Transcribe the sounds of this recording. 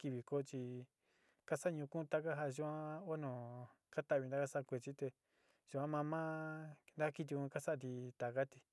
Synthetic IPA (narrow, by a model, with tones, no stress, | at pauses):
ki˧βi˧ko˦t͡ʃi˧ | ka˦sa˦˧ɲũ˧kũ˦˧t̪a˧ka˦ɦa˧ʒu˧ã˦o˦nõ˨ | ka˦t̪a˦˨βi˧nd̪a˦ka˦sa˦˧kʷe˧t͡ʃi˦t̪e˧ | ʒu˧ã˦mã˧mã˦˧nd̪a˦ki˧t̪̬i˧ũ˧ka˦sa˦ʔa˧t̪̬i˧t̪a˨ka˦t̪i̥˧